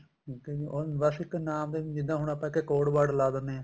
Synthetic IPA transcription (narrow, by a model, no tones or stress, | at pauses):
iːkɛːd͡ʒiʔobəsɪkːnaːmd̪ẽːd͡ʒɪd̪ãːɦʊɳaːpãːɪkeːkoːɽbaːɽlaːd̪ənːeːãː